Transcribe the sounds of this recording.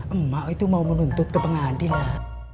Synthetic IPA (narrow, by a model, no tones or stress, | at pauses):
ʔəmmːaʔojt̪umawmənunt̪ut̪̚kəpəŋaːndila